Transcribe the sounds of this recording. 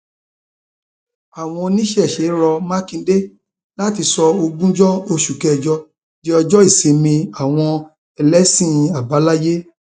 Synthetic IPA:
a˨w̃ɔ̃˧nĩ˦ʃɛ˦˨ʃe˨˦ɾɔ˧ma˦kĩ˧˦de˦ | la˦ti˧sɔ˧o˧ɡũ˦d͡ʒɔ˦o˧ʃu˨kɛ˨d͡ʒɔ˧ | di˦ɔ˧d͡ʒɔ˦i˦˨se˨˧˦mĩ˧a˦˨w̃ɔ̃˧ | ɛ˨lɛ˨˦sĩ˦˨˧a˨ba˨˦la˦je˦

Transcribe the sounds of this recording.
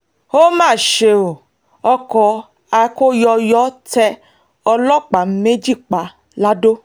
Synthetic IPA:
o˦mãː˦˨ʃe˧o˨ | ɔ˧kɔ˧ | a˨˧ko˦jɔ˧jɔ˨˦tɛ˧ | ɔ˧lɔ˦k͡pa˨˦me˦d͡ʒi˦˨k͡pa˨˦ | la˦do˦

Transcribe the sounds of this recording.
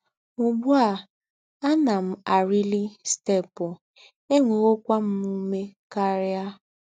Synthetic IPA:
ʊ˨bu˦a˨ | a˦na˨m̩˨a˨ɾi˦li˦ste˦˨pʊ˨ | e˦ŋʷo˨o˦kʷa˦m̩˦mu˦me˦ka˦ɾa˦

